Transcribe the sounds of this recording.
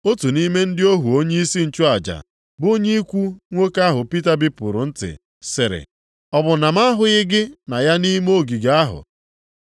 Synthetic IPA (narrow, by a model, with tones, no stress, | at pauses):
o˦tu˨ni˦me˦n̩˦dɪ˦o˦ɦu˨o˦ɲe˦i˦si˦n̩˨t͡ʃu˦a˨d͡ʒa̰˨ | bo˦ɲe˦i˦kʷu˦ŋʷo˦ka˦ɦʊ˨pi˦ta˦bi˦pʊ˨ɾʊ˨n̩˦tɪ̰˨ | sɪ˨ɾɪ̰˨ | ɔ˨bʊ˨na˨m˦a˦ɦʊ˨ɣɪ˦ɡɪ˦na˨ja˦ni˦m˦o˦˨ɡi˨ɡa˦ɦʊ̰˨